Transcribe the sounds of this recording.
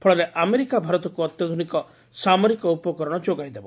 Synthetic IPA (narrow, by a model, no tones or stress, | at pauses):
pʰɔɭaɾeʔameɾikabʱaɾɔt̪ɔkuɔt̪jɔd̪ʱunikɔ | samɔɾikɔupɔkɔɾɔɽ̃ɔd͡ʒoɡajd̪ebɔ